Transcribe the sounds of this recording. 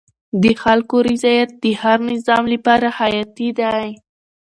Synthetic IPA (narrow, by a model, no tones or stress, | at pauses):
d̪əxalkoɾɪzɑjat̪̚d̪əhaɾnɪzɑmləpɑɾahajɑt̪id̪aj